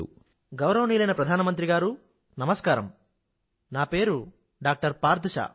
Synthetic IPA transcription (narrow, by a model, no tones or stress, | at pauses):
ṵ | ɡɐwɾɐʋɐniːlɐjnɐpɾɐd̪ʱaːnɐmɐnt̪̬ɾiɡaːɾu | nɐmɐskaːɾɐm | naːpe̞ːɾu | ɖaːk̚ʈɐɾpaːɾd̪ʱɐʃa̰ː